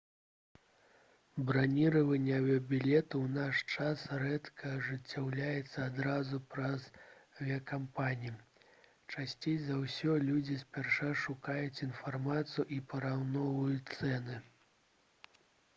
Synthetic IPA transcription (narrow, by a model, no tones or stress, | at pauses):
bɾanʲiɾɐvɐnʲːɐvʲɛɐbʲilʲɛt̪uwnaʂt͡ʂasrɛt̪kʰɐːʐɨt͡sʲːawlʲajɛt̪sːɐad̪ɾazupɾɐzvʲiɐkampanʲiji | t͡ʂasʲt͡sʲejzawsʲɔlʲud͡zʲisʲpʲarʂaʂukajut͡sʲinfarmat̪sɨjuipɐɾawnɔvujut̪sɛnɨ